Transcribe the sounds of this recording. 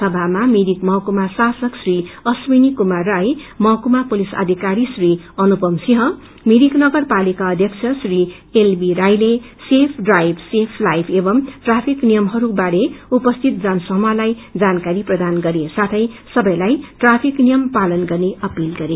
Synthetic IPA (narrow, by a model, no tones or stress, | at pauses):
sʌbʱamamiɾikmʌkumasasʌksriʌsminikumarajmʌkumapulisa̰d̪ʱikaɾisriʌnupʌmsiɦʌ | miɾiknʌɡʌrpalikaʌd̪ʱjʌksʰʌsri | elbiɾajle | sepʰɖrajbsepʰlajbʰebʌmʈrapʰiknijʌmɦʌɾubaɾeupʌst̪ʰit̪̚d͡zʌnsʌɦmalajd͡zankaɾiprʌd̪anɡʌɾesat̪ʰʌjsʌbʌjlajʈrapʰiknijʌmpalʌnɡʌrneʔʌpilɡʌɾe